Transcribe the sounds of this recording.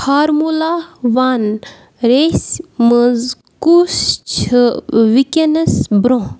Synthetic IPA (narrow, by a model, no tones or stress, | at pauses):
hʰaːɾmulaːʋan | ɾeːsməz | kust͡ʃʰɨʋikʲɐnɐsbɾõː